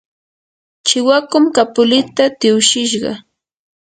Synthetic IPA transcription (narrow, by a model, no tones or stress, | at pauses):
t͡ʃɪwakʊmkapʊlɪt̪at̪ɪwʃɪʃɢɑ̰